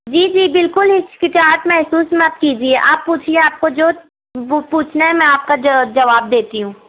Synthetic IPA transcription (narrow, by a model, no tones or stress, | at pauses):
d͡ʒiːd͡ʒiːbɪlkʊlɦɪskɪʈaːɾʈmɛɦsuːsmɐt̪̚kiːd͡ʒieːʔaːpːuːt͡ʃʰieaːp̚kod͡ʒoː | puːt͡ʃʰnaɦɛmɛ̃aːp̚kad͡ʒɐʋaːb̚d̪eːt̪iɦũː